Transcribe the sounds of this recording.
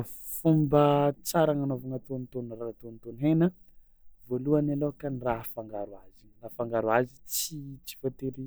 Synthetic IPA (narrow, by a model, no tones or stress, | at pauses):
fumbət͡saɾaŋanovaŋat̪onit̪onrat̪onit̪onɦenə | voluanalokanirafaŋɡaɾuazirafaŋɡaɾwazit͡sit͡si̥fat̪eɾi